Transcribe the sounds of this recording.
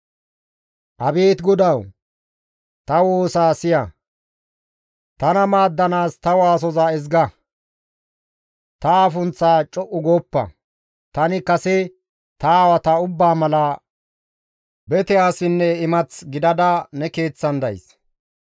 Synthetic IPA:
ʔɐbeːt̪ɡɔd̪ɐw | t̪ɐwoːsaːsɪjɐ | t̪ɐnɐmaːd̪ːɐnaːst̪ɐwaːs̬ɔzaɪzɡɐ | t̪ɐaːfʊnt͡sːaːt͡ʃʼɔʔʊɡoːpːɐ̰ | t̪ɐnɪkɐsɛ | t̪awɐt̪ɐʊbːaːmɐlɐ | bɛt̪ɛaːsɪnːɛɪmɐt͡sɡɪd̪ɐd̪ɐnɛke̞ːt͡sːɐnd̪ɐ̰js

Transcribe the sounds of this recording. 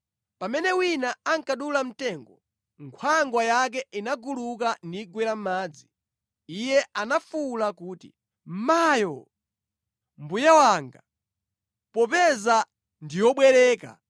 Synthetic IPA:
pamɛnɛwinaaŋkaɗulam̩tɛŋɡɔ | ŋkʰwaŋɡwajak̬ɛʔinaɡuluk̬andiɡwɛlam̩maːd͡zi | ijɛanafulakuːtḭ | majɔ | mbujawaːŋɡa | pɔpɛza | ndijɔɓwɛɾɛːka̰

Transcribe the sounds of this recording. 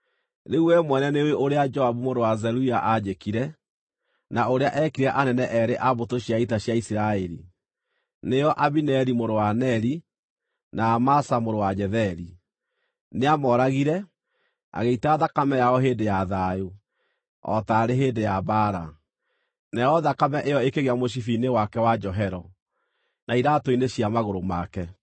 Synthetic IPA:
ɾeuwɛmwɛnɛneweʔoɾead͡ʒɔaβumoɾowazɛɾuaʔad͡ʒekiɾɛ | naoɾeaʔɛkiɾaʔanɛnɛʔɛɾeʔaβotoɕjaitaɕjaisiɾaɛɾḭ | nejɔʔaβinɛɾimoɾowanɛɾi | naːmasamoɾowaɲɛðɛɾi | neamɔɾaɣiɾɛ | a̰ɣeitaːðakamɛjaɔɦeːndejaðaju | ɔ̰taɾeɦeːndejabaːɾa | nɛɔðakamɛʔejɔekeɣeamoʃ̬ifinewakɛwad͡ʒɔɦɛɾɔ | naiɾatoineɕjamaɣoɾomakɛ

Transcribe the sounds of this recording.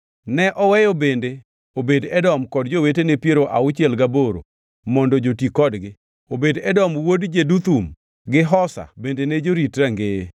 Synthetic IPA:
nɛʔɔwɛjobende | obedɛdɔmkɔd̚d͡ʒowetenepjeɾoʔaʊt͡ʃɛlɡaboɾo̰ | mɔndɔd͡ʒotikɔdɡɪ | obedɛdɔmwodd͡ʒedut̪um | ɡɪɦɔsa̰bendened͡ʒoɾitɾaŋɡe

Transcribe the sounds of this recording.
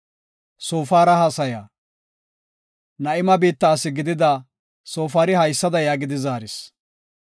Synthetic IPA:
so̞ːfaːɾɐhasɐjaː | nɐʔɪmɐbiːt̪ːaːsɪɡɪd̪ɪd̪a | so̞ːfaːɾɪhɐjsːɐd̪ɐjaːɡɪd̪ɪzaːɾɪs

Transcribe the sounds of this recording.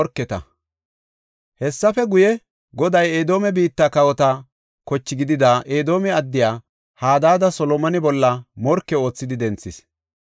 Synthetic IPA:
ɔɾkːɛt̪ɐ̰ | hɛsːɐfɛɡʊjɛ | ɡɔd̪ɐjeːd̪o̞ːmɛbiːt̪ːakɐwɔt̪ɐ | kɔt͡ʃːɪɡɪd̪ɪd̪aʔeːd̪o̞ːmɛɐd̪ːɪjaː | haːd̪aːd̪ɐsɔlɔmɐnɪbɔlːɐmɔɾkːɛo̞ːt͡sːɪd̪ɪd̪ɛnt͡sːɪs

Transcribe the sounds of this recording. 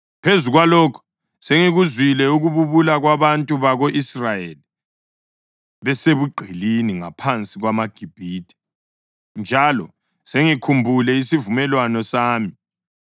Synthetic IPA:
pʰezuɣwalokʰu̥ | seŋiɣuzwilɛuɣuβuβulaɣwaβantʼuβaɣoʔisrajeli | βɛseβuɡ͡ǃʱiliniŋapʰant͡sʼiɣwamaɡ̥ʱib̥ʱiːtʰʼi̥ | nd͡ʒʱalɔ | seŋikʰumbʱulɛisivumɛlwanɔsaːmi

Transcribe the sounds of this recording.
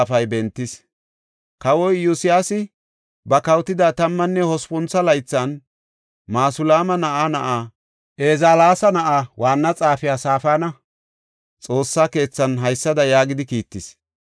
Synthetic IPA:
fɐjbɛnt̪ːɪs | kɐwɔjjːʊsɪjaːsɪ | bɐkɐwt̪ɪd̪aːt̪ɐmːɐnːɛhɔspʊnt͡sːɐlɐjt͡sːɐn | maːsʊlaːmɐnɐʔaːnɐʔaː | ʔeːzaːlaːsɐnɐʔaːwaːnːɐt͡sʼaːfɪjaːsaːfaːnɐ | t͡sʼo̞ːsːaːke̞ːt͡sːɐnɦɐjsːɐd̪ɐjaːɡɪd̪ɪkiːt̪ːɪs

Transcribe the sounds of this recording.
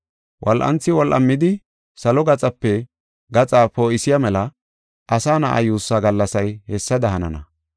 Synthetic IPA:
wʔɔlʔɐ̰nt͡sːɪwɔlʔɐ̰mːɪd̪ɪ | sɐlɔɡɐt͡sʼɐpːɛ | ɡɐt͡sʼaːpoːɪsɪjamɛlɐ | ʔɐsaːna̰ʔɐ̰juːsːaːɡɐlːɐsɐjhɛsːɐd̪ɐɦɐnɐ̰nɐ̰

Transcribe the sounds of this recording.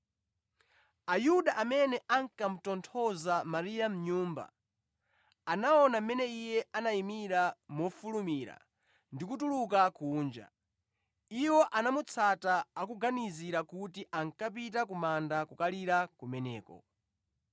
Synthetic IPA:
ajuɗaʔamɛnɛʔaŋkam̩tɔntʰɔzamaɾijam̩ɲuːmba̰ | anaɔnam̩mɛnɛijɛanaimiɾamɔfulumiɾa̰ | ndikutulukakuːnd͡ʒa̰ | iwɔʔanamut͡sʰataːkuɡaniziɾakutiʔaŋkap̬itakumandakukaliɾakumɛnɛːkɔ̰

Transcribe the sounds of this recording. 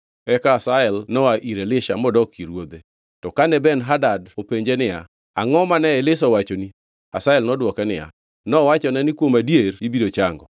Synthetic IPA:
ɛkaːsaɛlnɔaʔiɾelɪʃa̰mɔdɔkiɾwod̪e | tɔkanɛbɛnɦadadopeɲd͡ʒenɪja | aŋɔmanɛɛlɪsɔwat͡ʃoni | a̰saɛlnɔdwɔkɛnɪja̰ | nɔwat͡ʃɔnɛnɪkwomadjeribidot͡ʃaŋɡɔ̰

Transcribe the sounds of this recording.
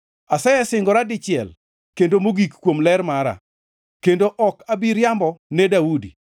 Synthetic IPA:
asajɛsɪŋɡɔɾadɪt͡ʃɪɛl | kendomoɡikkːwomlɛrmaɾa̰ | kendoʔɔkabiɾjambɔnɛdaudḭ

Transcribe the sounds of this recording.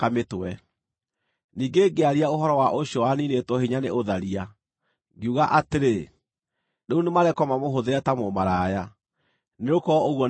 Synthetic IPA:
ametɛ | niːŋɡeɡeaɾiaoɦɔɾɔwaʔoɕjɔwaninetwɔhiɲaneʔoðaɾia | ɡeuɣaʔateɾe | neunemaɾɛkɔmamoɦoðeɾɛtamomaɾaja | neɾokɔoɣwɔ

